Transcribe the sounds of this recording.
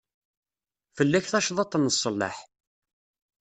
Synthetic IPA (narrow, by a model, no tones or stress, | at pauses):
fəlːæçθæʃðˤɑt̪ˤːənːəsˤːəlːə̰ħ